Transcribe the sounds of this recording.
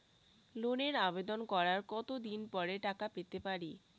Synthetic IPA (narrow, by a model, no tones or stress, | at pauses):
loneɾabed̪onkɔɾaɾkɔt̪od̪inpɔɾeʈakapet̪epaɾi